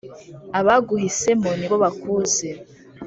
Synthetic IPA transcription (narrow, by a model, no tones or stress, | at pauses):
aβaɡuɦise̞muniβo̞βakuːze